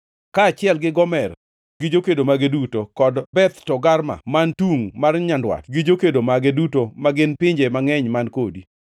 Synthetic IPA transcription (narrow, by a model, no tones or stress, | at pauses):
kaːt͡ʃɪɛlɡɪɡɔmɛr | ɡɪd͡ʒokedomaɡedutokɔdbɛt̪tɔɡarma̰mantuŋmarɲandwa̰tɡɪd͡ʒokedomaɡedutomaɡɪnpɪɲd͡ʒemaŋɛɲmankodi